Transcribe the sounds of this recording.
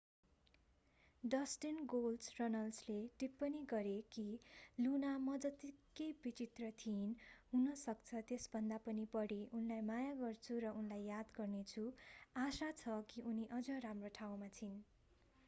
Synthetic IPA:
ɖʌsʈinɡolsrʌnʌlsleʈipːʌniɡʌɾekilunamʌd͡zʌt̪ikːejbit͡sit̪rʌt̪ʰinɦunʌsʌkt͡sʰʌt̪esbʱʌnd̪apʌnipʌɽiʔunlajmajaɡʌrt͡sʰuɾʌunlajːad̪ɡʌrnet͡sʰuasat͡sʰʌkiʔuniʔʌd͡zʌramroʈʰaw̃mat͡sʰin

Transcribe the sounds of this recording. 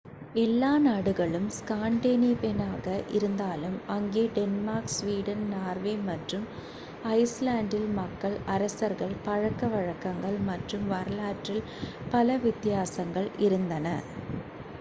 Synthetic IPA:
ɛlːaːnaːɽɯɣɐɭɯmskaːɳɖeːnipɛnaːɣɐʔɪɾɯnd̪aːlɯmɐŋɡeːɖɛnmaːɾksʋiːɽɐnnaːɾʋeːmɐʈrɯm | ɐɪslaːɳɖɪlmɐkːɐɭɐɾɐsɐɾɣɐɭpɐɻɐkːɐʋɐɻɐkːɐŋɡɐɭmɐʈrɯmʋɐɾlaːʈrɪl | pɐlɐʋɪt̪ːɪjaːsɐŋɡɐɭɪɾɯnd̪ɐnɐ

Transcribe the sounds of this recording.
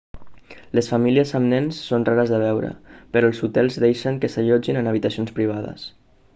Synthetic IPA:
ləsfəmiliəzəmnɛnsːonraɾəzðəβ̞ɛwɾə̰pəɾɔəlˠzut̪ɛlˠzðejʃəŋkəsəʎɔd͡ʒinənəβ̞it̪əsionspɾiβ̞aðə̰s

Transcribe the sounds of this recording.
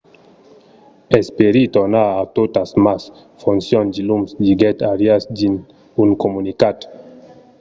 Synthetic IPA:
espeɾit̪oɾnaat̪ot̪asmas | funsjond̪ilumsdiɡɛt̪aɾjasdin | uŋkomunikat̪

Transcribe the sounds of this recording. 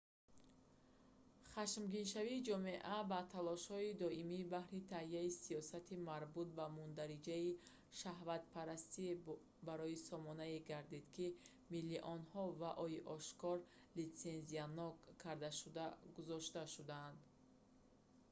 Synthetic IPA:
χaʃmɡinʃaviːd͡ʒɔme̞ʔabat̪ʰalɔʃhɔid̪ɔimiːbahɾit̪ʰahiaisijɔsat̪ʰimaɾbut̪̚bamund̪aɾid͡ʒai | ʃaɦvat̪̚pʰaɾast̪i | baɾɔisɔmɔnaeɡaɾd̪id̪̥kʰi | milːiʔɔnhɔvaʔɔiʔɔʃkɔɾ | lit̪se̞nzianɔkkʰːaɾd̪aʃud̪aɡuzɔʃt̪aʃud̪and̪

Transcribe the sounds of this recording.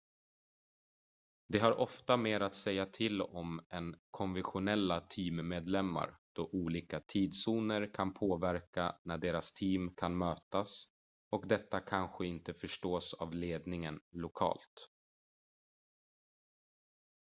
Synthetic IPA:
d̪ɛɦaɾʔɔft̪ameːɾat̪sɛjːat̪ʰɪlɔmɛnkʰɔnvɛnɧʊnɛlːat̪ʰiːmmeːd̪lɛmːa̰ɾd̪̥ɔʔuːliːkat̪ʰiːd̪suːnəɾkʰanpʰoːvæɾkanæɖeːɾast̪ʰiːmkʰanmøːt̪as | ɔkd̪ɛt̪ːakʰanɧəɪnt̪əfœʂʈoːsa̰vleːd̪nɪŋənlʊkʰɑ̰ːlt̪

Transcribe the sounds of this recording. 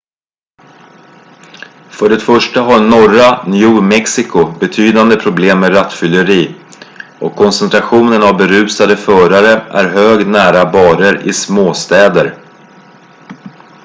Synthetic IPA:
fœɖɛt̪fœʂʈaɦaɾnɔranjuːmɛksɪkʊbɛt̪ʰyːd̪and̪əpʰɾʊbleːmːeɾat̪ːfʏlːəɾiː | ʔɔkʰːɔnsɛnt̪ʰɾaɧuːnənavbɛɾʉ̟ːsad̪əfœːɾaɾəʔæ̰ɾɦøːɡnæːɾabɑːɾəɾɪ̰smoːst̪ɛːd̪əɾ

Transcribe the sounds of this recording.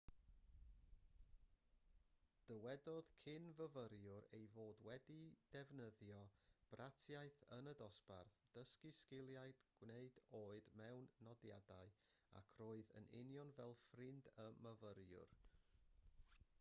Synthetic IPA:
d̥əwɛdɔð̥kʰɪnvəvəɾjʊɾejvoːdwɛdid̥ɛvnəðjɔb̥rʔatʰjaɨθənədɔsb̥a̰rθd̥əskɪskɪlˠjaɨdɡ̥wneɨdoːɨdmɛwnːɔdja̰daɨa̰kʰroːɨðə̰nɪ̰njɔnvɛlˠfrɪndəməvəɾjʊ̰r

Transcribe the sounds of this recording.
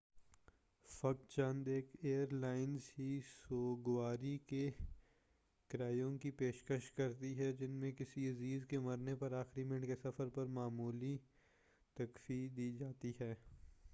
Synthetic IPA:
fɐk̚t͡ʃãnd̪eːkʰeːəɾlaːɪnzɦisoːɡʋaːɾike | kɪɾaːijõkipeːʃkəʃkɐɾt̪iɦɛd͡ʒɪnmẽkɪsiɐziːzkemɐɾnepɐɾaːxɾimɪ̃ɳɖkesɐfəɾpɐɾmaːmuːli | t̪ɐkfid̪iːd͡ʒaːt̪iɦɛː

